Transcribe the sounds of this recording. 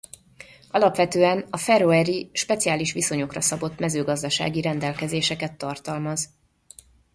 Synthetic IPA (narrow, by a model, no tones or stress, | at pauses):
ʔɒlɒpʋɛt̪øːɛnɒfɛɾoɛɾiʃpɛt̪sijaːliʃʋiso̞ɲo̞krɒsɒbo̞t̪mɛzøːɡɒzd̪ɒʃa̰ːɡiɾɛnd̪ɛlkɛzeːʃɛkɛt̪ːɒrt̪ɒlmɒz